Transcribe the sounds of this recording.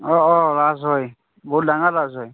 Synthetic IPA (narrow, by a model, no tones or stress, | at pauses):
ɔɔɹazɦɔj | bɔut̚daŋalazɦɔj